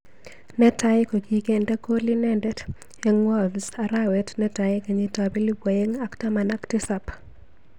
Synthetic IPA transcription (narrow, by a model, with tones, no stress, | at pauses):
nɛ˦ta˦ɪko˨ki˨kenda˦ko˦li˦nɛndɛ˦t | eŋwɔ˦lsaɾawɛtnɛ˦ta˨ɪka˨ɲetabi˦li˦bwa˨e˦ŋa˦ktama˨na˦ktɪsap